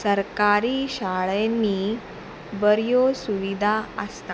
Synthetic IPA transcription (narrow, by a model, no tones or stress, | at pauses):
səɾkaɾiːɕaɭenːiː | bəɾjosuʋid̪ʱaəst̪a